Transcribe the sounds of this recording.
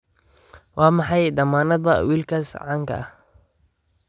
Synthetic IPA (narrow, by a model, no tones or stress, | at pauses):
wɑːmɑħɑjd̪ɐmaːnɐdbɐwiːlkʰɐsʕɑːŋkʰɐ̰ʔɐh